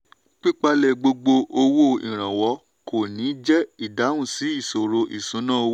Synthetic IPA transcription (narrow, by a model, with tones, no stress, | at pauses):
k͡pi˦k͡pa˧lɛ˨ɡ͡bo˧ɡ͡bo˧o˧wo˦˨ḭ̃˨ɾ̃ã˨wɔ˨˧˦ | ko˨nĩ˨˦d͡ʒɛ˦i˦˨da˨˦wũ˦˨si˨˦i˦˨so˨ɾo˧ʔi˨sũ˨˦nãː˦o˧˦